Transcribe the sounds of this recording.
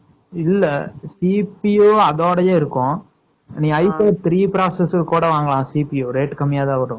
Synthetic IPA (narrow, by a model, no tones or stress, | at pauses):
ɪlːɐsiːpijoːɐðoːɽɐjeːɪɾɯkːʊ̃ | nĩːɐɪpeːt̪ɾiːpɪɾaːsɛskkuːɽɐʋaːŋɡɐɭãːsiːpijoːɾeːʈːkɐmːɪjaːt̪ãːʋɐɾʊ̃